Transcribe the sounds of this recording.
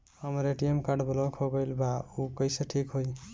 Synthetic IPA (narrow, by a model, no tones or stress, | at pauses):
həmɾeʈiemkaɾɖblɔkʰɦoɡəjlbaukəjseʈʰikɦoj